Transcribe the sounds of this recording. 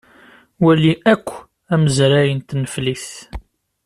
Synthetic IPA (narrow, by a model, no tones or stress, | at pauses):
wæliʔækʷː | æməzɾæjənt̪nəfliθ